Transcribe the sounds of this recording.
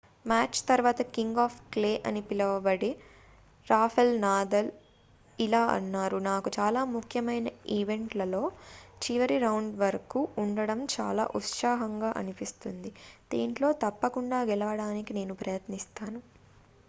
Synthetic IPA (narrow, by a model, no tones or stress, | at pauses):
maːt͡ʃt̪ɐɾʋaːt̪ɐkiŋɡaːpʰkle̞ːʔɐnipilɐʋɐbɐɽi | ɾaːpʰɐlnaːd̪ɐl | ilaːʔɐ̰nːaːɾunaːkut͡ʃaːlaːmukʰjɐmɐjnɐiʋe̞ɳʈlɐlo̞ːt͡ʃiʋɐɾiɾɐwɳɖʋɐɾɐkuːɳɖɐɽɐmt͡ʃa̰ːla̰ːʔut̪ʃaːɦɐŋɡaːʔɐ̰nipist̪und̪id̪ḭːɳʈlo̞ːt̪ɐpːɐkuɳɖaːɡɛlɐʋɐɽaːnikine̞ːnupɾɐjɐt̪nist̪aːnu